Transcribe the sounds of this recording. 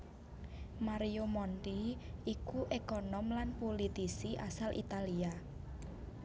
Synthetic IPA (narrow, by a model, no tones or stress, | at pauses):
maɾijomɔndiikuʔekɔnɔmlanpolit̪isiʔa̰salʔḭt̪alia